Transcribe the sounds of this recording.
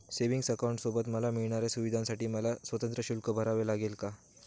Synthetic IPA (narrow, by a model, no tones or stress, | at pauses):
seʋiŋɡsəkawɳʈsobət̪məlamiɭɳaɾjasuʋid̪ʱãnsaʈiːməlasʋət̪ənt̪ɾəɕulkəbʱəɾaʋelaɡelka